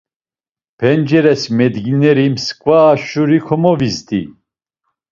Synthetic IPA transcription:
pʰɛnd͡ʒɛɾɛsmɛd̪ɡinɛɾimskʼvaːʃuɾikʰɔmɔvizd̪i

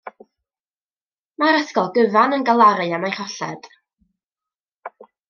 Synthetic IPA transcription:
maɾəθkɔlˠɡəvanənɡalˠaɾɨamajhɔɬɛ̰d̥

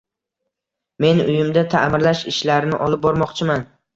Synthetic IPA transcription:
me̞nʊjɪmd̪at̪ʰamɪɾlaʃɪʃlaɾnɪ̰ʔɒlˠɪp̚bɒɾmɒqt͡ʃʰɪman

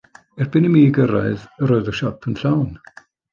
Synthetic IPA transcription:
ɛrbɪnəmiːɡəɾaɨðəɾoːɨðəʃɔpʰənɬawn

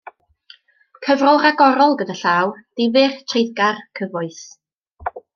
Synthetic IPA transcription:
kʰəvrɔlˠraɡɔɾɔlˠɡədaɬaːwd̥ɪvɨrtʰrejðɡarkʰəvʊɨθ

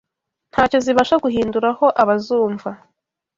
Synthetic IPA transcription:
n̥haːco̞ziβaʃaɡuɦiːnduɾaho̞ʔaβazuːɱva

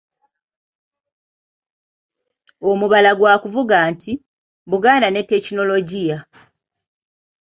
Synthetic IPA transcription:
o̞muβalaɡwaːkuvuɡaːntʰi | βuɡaːndane̞tːe̞cino̞lo̞ɟija

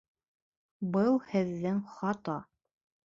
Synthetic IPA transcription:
bɤlˠhɘ̆ðːɘŋχɑt̪ɑ

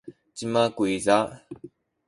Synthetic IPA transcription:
t͡ɕimakuiza

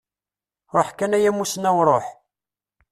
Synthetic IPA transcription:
ɾˤoħkænæjæmusnæwɾˤoħ

